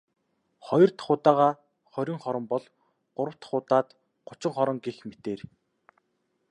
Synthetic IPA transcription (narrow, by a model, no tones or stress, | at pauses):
χɔjɞ̆r̥t̪χʊːt̪aːʁaː | χɔɾʲĭŋχɔɾɞ̆mpɔɮ | ɢ̥ʊɾə̆w̥t̪χʊːt̪aːt̪ | ɢʊt͡ɕɪ̆ŋχɔɾɞ̆ŋɡexmet̪eːr